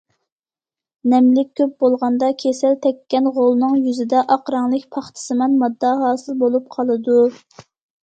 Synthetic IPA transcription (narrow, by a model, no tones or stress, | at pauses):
nɛmlɪk̚ʲʰːøp̚bolˠʁɑnd̪ɑkʲʰesɛlt̪ʰɛkʲːɛnʁolˠnɨŋjyzɪd̪ɛʔɑqɾɑŋlˠɨkʲpʰɑχt̪ʰɨ̥sɨmɛnmɑd̪ːɑɦɑːsɨlˠbolˠup̚qʰɑlˠɨd̪u